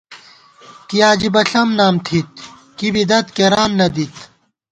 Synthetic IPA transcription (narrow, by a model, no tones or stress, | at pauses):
kijaːd͡ʑibɐɬɐmnaːmt̪ʰit̪̚ | kibid̪ɐt̪keɾaːnːɐd̪it̪